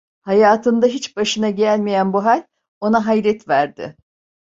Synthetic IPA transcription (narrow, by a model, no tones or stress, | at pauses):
hajaːt̪ʰɯnd̪aɦit͡ʃbaʃɯnaɟælʲmejænbuɦalʲ | o̞naɦajɾɛt̪væɾd̪ɪ̰